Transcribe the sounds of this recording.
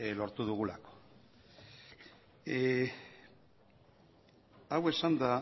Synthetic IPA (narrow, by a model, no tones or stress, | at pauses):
lo̞ɾt̪uðuɣulako̥ | awe̞sand̪a